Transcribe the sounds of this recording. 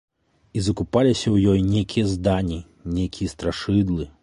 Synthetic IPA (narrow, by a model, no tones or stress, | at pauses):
izɐkupalʲisʲɐwjɔjnʲejkʲijɐzd̪anʲi | nʲejkʲijɐst̪ɾaʂɨd̪lˠɨ